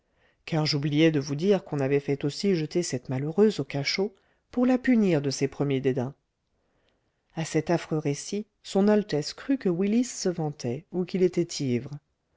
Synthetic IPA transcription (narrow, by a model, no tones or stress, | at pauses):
kaʁʒublijɛd̪əvud̪iʁkɔ̃navɛfɛt̪osiʒət̪esɛt̪maløʁøzokaʃo | puʁlapyniʁd̪əsɛpχəmjed̪ed̪ɛ̃ | asɛt̪afχøʁesi | sɔ̃nalt̪ɛskχykəwilisːəvɑ̃t̪ɛukilet̪ɛt̪ʰivʁə